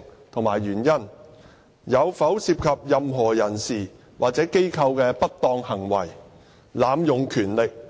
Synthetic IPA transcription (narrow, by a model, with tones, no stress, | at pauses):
t̪ʰʊ˨ŋmaː˨˩jɥyː˨˩njɐ˥n | jɐ˨˧wfɐ˨˥wsiː˧p̚kʰɐ˨p̚jɐ˨mɦɔː˨˩jɐ˨˩nsiː˨˩ | wʔaː˨k̚t͡sɛː˨˥ke˥jkʰɐ˧wkɛː˧pɐ˥t̚t̪ɔː˧ŋhɐ˨˩ŋwɐ̰˨˩j | laː˨˧mjʊ˨ŋkʰyː˨˩nlɪ˨k̚